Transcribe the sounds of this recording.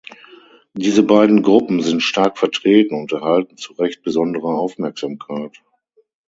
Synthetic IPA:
d̥iːzəbaɪdn̩ɡʁʊpm̩zɪntʃtaɐkfɛɐtʁ̥eːtn̩ʊntɛɐhaltn̩t͡suʁɛçt̚b̥əzɔndəʁɐaʊfmɛɐkz̥aːmkʰaɪt

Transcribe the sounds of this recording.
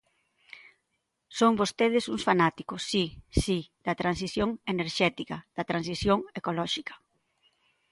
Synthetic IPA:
soŋbost̪eð̞ɪsuŋsfanat̪ikʊsːisid̪̥ɐt̪ɾans̬iθjoŋeneɾʃɛt̪ikɐð̥ɐt̪ɾansiθjoŋekolɔʃikɐ̥

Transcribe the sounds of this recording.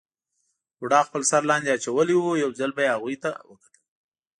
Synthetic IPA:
wɽɑxpəlsaɾlɑnd̪eat͡ʃawəliwujawzalbajeaɣujt̪a̰wəkḁt̪əli

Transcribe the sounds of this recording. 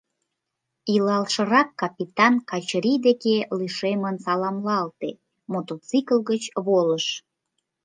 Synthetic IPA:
ilɑlʃə̆ɾɑkːɑpʲit̪ɑnkɑt͡ɕɾid̪ekeliʃemənsɑlɑmlɑlt̪e | mot̪ot͡sikəlˠɣət͡ɕβoləʃ

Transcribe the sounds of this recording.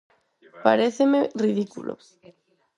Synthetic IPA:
paɾeθemeriðikṵlʔo̰

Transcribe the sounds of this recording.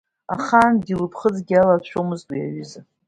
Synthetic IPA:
a̰χandilɨpʰχəd͡zɡʲialat͡ɕʷʰomɨztʼwijaɥʏza

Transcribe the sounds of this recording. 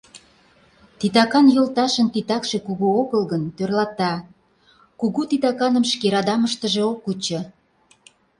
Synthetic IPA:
t̪it̪ɑkɑnjolt̪ɑʃənt̪it̪ɑkʃekuɣuoɣəlɣənt̪ørlɑt̪ɑ | kuɣut̪it̪ɑkɑnəmʃkeɾɑd̪ɑməʃt̪əʒe̽okːut͡ɕɤ̆

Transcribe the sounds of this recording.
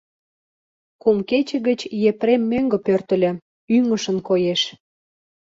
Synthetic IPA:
kumket͡ɕə̆ɣət͡ɕjepɾemːøŋɡə̆pørt̪ə̆lʲĕ | yŋə̆ʃə̆nkojeʃ

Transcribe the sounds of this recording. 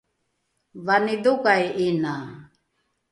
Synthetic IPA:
vanidukajina

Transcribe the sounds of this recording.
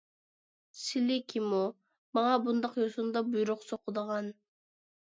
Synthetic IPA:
silikʲʰimu | mɑŋɑbund̪ɑqjosund̪ɑbujɾʊqsoqʊd̪ɑʁɑn

